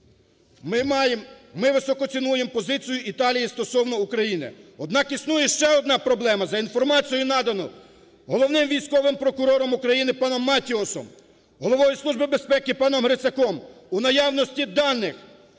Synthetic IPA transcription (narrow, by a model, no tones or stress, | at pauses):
jmːɪʋɪsɔkɔsʲɪnujempɔzɪt͡sʲijʊʔit̪ɑlʲijist̪ɔsɔwnɔukɾɐjinɪ̰ɔd̪nɑkisnujɛʃt͡ʃɛɔd̪nɑpɾɔblˠɛmɐzɐinfɔrmɑt͡sʲijʊnɑd̪ɐnɔ | ɦɔlˠɔwnɪmʋʲijsʲkɔʋɪmpɾɔkʊɾɔɾɔmukɾɐjinɪpɑnɔmːɑtʲiɔsɔ̰m | ɦɔlˠɔʋɔjisˠuʒbɪbe̞spɛkɪpɑnɔmɦɾɪsʲɐkɔmunɐjɑwnɔsʲtʲid̪ɑnːɪx